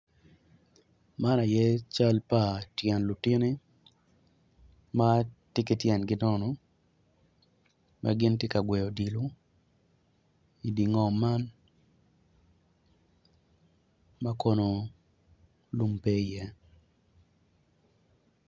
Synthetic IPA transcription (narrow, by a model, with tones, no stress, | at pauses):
ma˦na˨jɛ˦t͡ʃa˦lpa˨tjɛ˨nlu˨ti˦ni˦ | ma˦tɪ˦kɪ˦tjɛ˨nɡɪ˦dɔ˦nɔ˨ | mʔa̰˦ɡɪ˦ntje˦ka˨ɡwɛ˨jo˨di˨lo˦ | i˨di˨ŋɔ˨ma˦n | ma˦ko˦no˨ | lu˦mpe˦˨jɛ˦